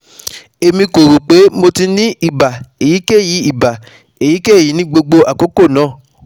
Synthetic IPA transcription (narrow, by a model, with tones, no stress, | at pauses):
e˧mĩ˧ko˨ɾu˨k͡pe˨˦mo˧ti˧nĩ˦i˦˨ba˨e˨ji˨˦ke˦˨ji˨˦i˦˨ba˨ | e˨ji˨˦ke˦˨ji˨˦nĩ˦ɡ͡bo˧ɡ͡bo˧ʔa˨ko˨˦ko˦˨nãː˨˦˨